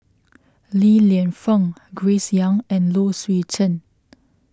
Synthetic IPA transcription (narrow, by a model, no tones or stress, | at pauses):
liliə̃nfə̃ŋɡɹesjãŋɛ̃nloswit͡ʃʰə̃n